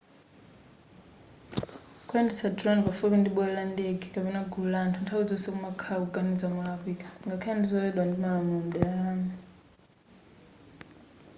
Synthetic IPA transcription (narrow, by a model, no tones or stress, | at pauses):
kʰʼwandisadɾɔnpafuβindiɓɛlandeɡikʼapɛnaɡulantʰuntʰawid͡zɔsɛkumakʰawuɡanid͡zamuafikḁŋɡakʰajandizɔwɛɗwandimaamun̩ɗɛaːna